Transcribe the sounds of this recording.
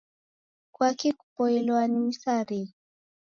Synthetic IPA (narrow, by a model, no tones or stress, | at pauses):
kwakiku̥pɔɛlwaniisaɾe